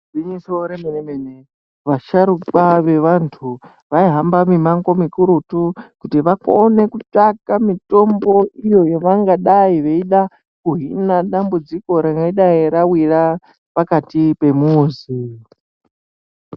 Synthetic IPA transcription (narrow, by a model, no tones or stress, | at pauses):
d͡ziɲisoɾemenemene | ʋaʃaɾuɓaʋe̞ʋantʰu | ʋaiɦambamimaŋɡo̞mikuɾutukutiʋakone̞kut͡ʂakamito̞mbo̞ijo̞joʋaŋɡaɗaiʋeiɗa | kuɦinaɗambud͡ziko̞ɾaŋɡaiɗaeɾawiɾa | pakatipe̞muzi